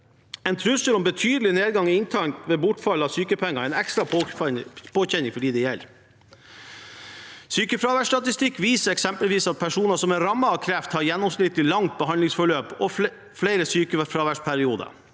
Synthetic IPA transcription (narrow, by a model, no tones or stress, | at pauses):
ɛɪnt̪ʰɾʉsəlɔmbət̪ʰyːd̪əlɪneːd̪ɡɑŋɪɪnt̪ʰɑŋt̪ʋeːbʊʈfɑlɑsyːkəpʰɛŋːɑæɪnɛkst̪ɾɑ | pʰoːçɛnɪŋfɔɖiːd̪ɛjɛl | syːkəfɾɑːʋæʂʈ̪ɑt̪ɪst̪ɪkːʋiːsəɾɛksɛmpəlʋiːsɑt̪̚pʰæʂuːnəsɔmɛɾɑmːəɑkʰɾɛft̪hɑɾjɛnːɔmsnɪt̪lɪlɑŋt̪̚bəɦɑnlɪŋsfɔɭøːpɔ | fleɪɾəsyːkəfɾɑːʋæʂpʰæɾɪuːd̪ə̰